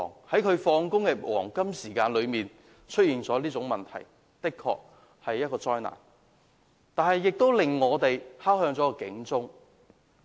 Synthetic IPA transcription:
ŋhɐ˨˥jkʰɵ˨˧ɥfɔː˧ŋkʊ˥ŋkɛː˧wʔɔ̰ː˨˩ŋkɐ˥msiː˨˩kaː˧nlɵ˨˧ɥmiː˨n | t͡ʃʰɵ˥t̚jiː˨nt͡sɔː˨˥liː˥t͡sʊ˨˥ŋmɐ˨˩nt̪ʰɐ̰˨˩j | t̪ɪ˥kʰːɔ̰ː˧k̚ | hɐ˨jːɐ˥t̚kɔː˧t͡sɔː˧jna̰ː˨˩n | t̪aː˨nhɐ˨˩jːɪ˨k̚t̪o˥wlɪ˨ŋːɔː˨˧t̪e˨jhaː˥whœː˧ŋt͡sɔː˨˥kɔ˧kɪ̰˨˥ŋt͡sʊ˥ŋ

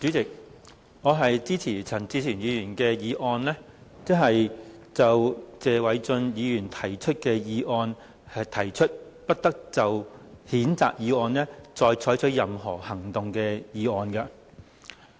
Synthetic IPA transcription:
t͡syː˨˥t͡sɪ˨k̚ | ŋɔː˨˧ɦɐ˨jt͡siː˥t͡sʰiː˨˩t͡sʰɐ˨˩nt͡siː˧t͡sʰiː˨˩njiː˨˧jyː˨˩nkɛː˧jiː˨˧ʔɔː˧nlɛː˥ | t͡sɪ˥ɦɐ˨jt͡sɐ˨wt͡sɛː˨˧wɐ˨˥jt͡sɵ˧njiː˨˧jyː˨˩nt̪ʰɐ˨˩jt͡ʃʰɵ˥t̚kɛː˧jiː˨˧ʔɔː˧n | hɐ˨t̪ʰɐ˨˩jt͡ʃʰɵ˥t̚ | pɐ˥t̚t̪ɐ˥k̚t͡sɐ˨whiː˨˥nt͡sa̰ː˨k̚jiː˨˧ɔː˧nlɛː˥t͡sɔː˧jt͡ʃʰɔː˨˥jt͡ʃʰɵ˨˥jɐ˨mɦɔː˨˩hɐ˨˩ŋt̪ʊ˨ŋkɛː˧jiː˨˧ɔː˧nkɐ˧

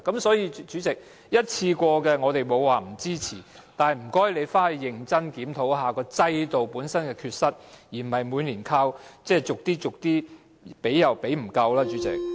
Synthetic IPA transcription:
kɐ˨˥msɔː˨˥jiː˨˧t͡ʃyː˨˥t͡sɪ˨k̚ | jɐ˥t̚t͡sʰiː˧kʷɔː˧kɛː˧ŋɔː˨˧t̪e˨jmo˨˧wːaː˨˩m̩˨˩t͡siː˥t͡sʰiː˨˩ | t̪aː˨nɐ˨jm̩˨˩kɔː˥jle˨˧jfaː˥e˨˧jɪ˨˩ŋt͡sɐ˥nkiː˨˥mt̪ʰo˨˥wɦaː˨kɔː˧t͡sɐ˧˥jt̪o˨wpuː˨˥nsɐ˥nkɛː˧kʰyː˧t̚sɐ˥t̚jiː˨˩m̩˨˩hɐ˨jmu˨˧nliː˨˩nkʰaː˥wt͡sɛː˥˩t͡sʊ˨k̚t̪iː˥t͡sʊ˨k̚t̪iː˥ | pe˨˥jɐ˨wpe˨˥jm̩˨˩kɐ˧wlaː˥t͡ʃyː˨˥t͡sɪ̰˨˩k̚

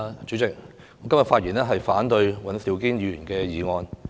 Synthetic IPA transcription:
t͡ʃy˨˥t͡sɪ˨k̚ | ŋɔː˨˧kɐ˥mjɐ˨tfaː˧t̚jiː˨˩nɛː˥ɦɐ˨jfaː˨˥nt̪ɵ˧ɥwɐ˨˧nsiː˨˧wkiː˥njiː˨˥jyː˨˩nkɛː˧jiː˨ŋɔː˧n

